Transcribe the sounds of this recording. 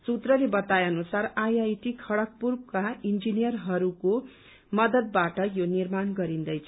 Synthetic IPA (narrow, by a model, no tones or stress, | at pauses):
sut̪rʌlebʌt̪ajʌnusarajajt̪ikʰʌɽʌk̚purbkaind͡zinijʌrɦʌɾuko | mʌd̪ʌd̪̚baʈʌjonirmanɡʌɾind̪ʌjt͡sʰʌ